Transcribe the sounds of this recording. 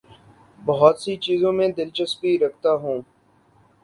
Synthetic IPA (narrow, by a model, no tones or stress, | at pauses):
bəɦɔt̪sit͡ʃiːzõmẽd̪ɪlt͡ʃəspiɾɐk̚ʰt̪aɦũː